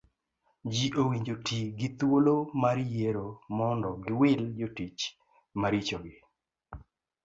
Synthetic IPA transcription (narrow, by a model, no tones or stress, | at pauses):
d͡ʒiʔowiɲd͡ʒotiɡɪt̪wolomaɾjeɾomɔndɔɡɪwɪld͡ʒotit͡ʃ | maɾit͡ʃoɡɪ